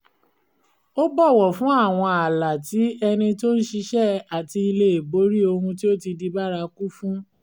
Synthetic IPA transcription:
o˦bɔ˦˨wɔ˨fũ˨˦a˦˨w̃ɔ̃˧a˨la˨ti˨˦ɛ˧nĩ˧to˦n̩˦ʃi˧ʃɛ˦a˨ti˧i˧le˧e˨bo˨˦ɾi˦o˧hũ˧t̬i˦o˦ti˧di˧ba˦ɾa˧ku˦fũ˦

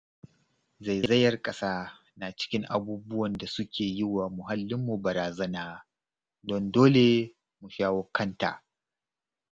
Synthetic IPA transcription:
za˨jzɐ˦jɐ˦rkʼɐ˦saː˦na˨t͡ʃɪ̥˦kʲɪ˦ŋʔa˨buː˦bʊ˦wɐ˨nda˨sʊ˦kʲeː˨jɪ˦wa˨mʊ˨ɦa˦lːɪ˦mːu˨bɐ˨ɾaː˨zɐ˦naː˦ | dɔ˨ndoː˦le˨ | mu˨ʃaː˦wo˦kːɐ˦nta̰ː˨ʔ

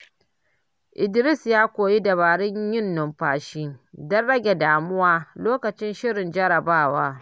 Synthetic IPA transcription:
ʔɪ˨dɪ˦ɾɪ˦sjaː˦kʷoː˨ji˦dɐ˨βaː˨ɽɪ˦ɲjɪ˦nːʊ˨mɸaː˨ʃiː˦dɐ˦nɽɐ˦ɡʲe˨daː˨mʊ˦waː˦loː˦kɐ˨t͡ʃɪ˦nʃɪ˦ɽɪ˨nd͡ʒɐ˦ɽɐ˨baː˦˨waː˦

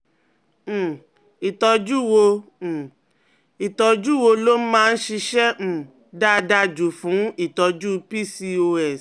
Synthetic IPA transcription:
i˨tɔ˧d͡ʒu˦˨wõ˧˨ | i˨tɔ˧d͡ʒu˦˨wo˧lo˦mãː˦˧n̩˦ʃi˧ʃɛ˦m̩̃˨ | da˦da˦d͡ʒu˨fũ˨˦i˦˨tɔ˧d͡ʒu˦pi˦˨si˧o˧ɛ˨

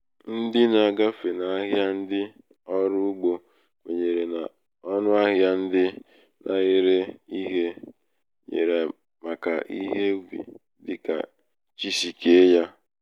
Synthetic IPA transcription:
n̩˦dɪ˦na˨ɡa˦fe˨na˨a˦ɦja˦n̩˦dɪ˦ | ɔ˦ɾʊ˦u˦ɡ͡bo˨ | ŋʷe˨ɲe˨ɾe˨na˨ | ɔ˦nʊ˦a˦ɦja˦n̩˦dɪ˦ | nʔa̰˨ɣɪ˦ɾe˦i˦ɦe˦ | ɲḛ˨ɾe˨ | ma˨ka̰˨ʔi˦ɦe˦ɡ͡bḭ˨ | dɪ̰˦ka̰˨ | t͡ʃi˦si˨ke˦e˦ja˦

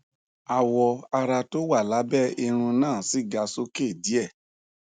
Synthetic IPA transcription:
a˨wɔ˧a˧ɾa˧to˦wa˦˨la˨˦bɛ˦˨i˧ɾ̃ũ˧nãː˦˨si˨˦˨ɡa˧so˦ke˦˨di˨˦ɛ˦˨

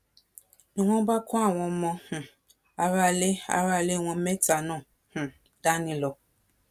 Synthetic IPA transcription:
nĩ˨wɔ̃˦ba˦kʷa˦˨wɔ̃˧˦mɔ̃˧h̩˨ | a˨βa˧le˦a̰˨βa˧˨le˦˨wɔ̃˧˦mɛ˦ta˨nɔ̃˦˨ | h̩˨ | da˦nĩ˧lɔ˨

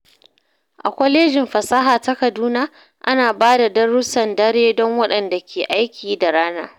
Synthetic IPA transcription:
ʔa̰˨kʷɔ˦leː˦d͡ʒɪ˨mɸɐ˨sa˦ɦaː˨ta˦kɐ˨duː˦naː˦ | ʔa˦naː˨baː˦da˨dɐ˦ɽʊ˦sɐ˨ndɐ˦ɽeː˦dɔ˦ŋwɐ˦ɗɐ˨nda˨kʲʰeː˨ʔa˦jkʲʰiː˨da˨ɽaː˦na̰ː˦

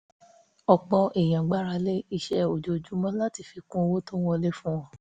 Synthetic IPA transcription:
ɔ˨k͡pɔ˧ʔe˨j̃ã˨ɡ͡ba˦ɾa˧le˦i˧ʃɛ˧˦o˨d͡ʒo˨d͡ʒu˦mɔ̃˦la˦ti˧˨fi˧kũ˦˧wo˦to˦w̃ɔ̃˦le˦fũ˦w̃ɔ̃˦

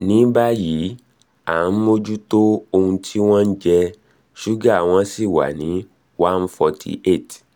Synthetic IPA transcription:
nĩ˦ba˦ji˨˦ | a˨˦mo˦d͡ʒu˦to˦o˧hũ˧tʰi˦w̃ɔ̃˦n̩˦d͡ʒɛ˧ | ʃu˦ɡa˦˨w̃ɔ̃˦si˦˨wa̰˨nĩ˨˦ | wã˦n˦fɔ˧tʰḭ˧ʔe˦˨t

